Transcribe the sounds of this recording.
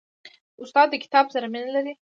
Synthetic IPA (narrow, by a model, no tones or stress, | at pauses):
ʊst̪ɑd̪ːəkɪ̥t̪ɑbzaɾaminalaɾi